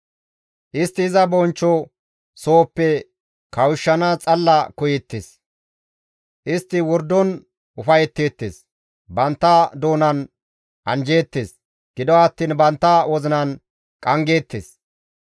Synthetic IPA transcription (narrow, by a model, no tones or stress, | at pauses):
ʔɪst̪ːɪːzɐbɔnt͡ʃːɔ | so̞ːpːɛ | kɐwɪʃːɐnɐt͡sʼɐlːɐkʊjɛt̪ːes | ʔɪst̪ːɪwɔɾd̪ːɔn | ʊfɐjɛt̪ːe̞ːt̪ːḛːs | bɐnt̪ːɐd̪oːnɐn | ʔɐnd͡ʒe̞ːt̪ːeːs | ɡ̥ɪd̪ɔɐt̪ːiːnbɐnt̪ːɐwɔzɪnɐn | kʼɐŋɡe̞ːt̪ːḛːs